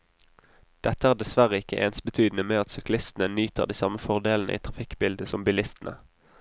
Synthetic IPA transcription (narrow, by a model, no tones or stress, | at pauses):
d̪̥ɛt̪əæːʁd̪ɛsʋæʁəɪkəʔḛːnsbət̪ʰyːd̪n̩əmeːɑt̪sʏklɪst̪n̩ənyːt̪əʁd̪iːsɑməfɔʁd̪eːln̩əʔḭːt̪ʰʁɑfɪkbɪld̪əsɔmbɪlɪst̪n̩ʔə̰